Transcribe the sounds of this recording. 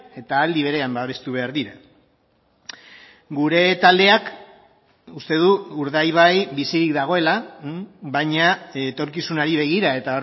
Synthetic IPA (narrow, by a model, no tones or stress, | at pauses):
e̞t̪aːld̪iβe̞ɾe̞ambaβe̞st̪uβ̞e̞aɾðiɾa | ɡuɾe̞t̪ald̪e̞ak | ust̪e̞ð̞uuɾðajβajbisiɾikd̪aɣ̞o̞e̞la | bajɲat̪o̞ɾkisunaɾiβ̞e̞ɣ̞iɾae̞t̪ao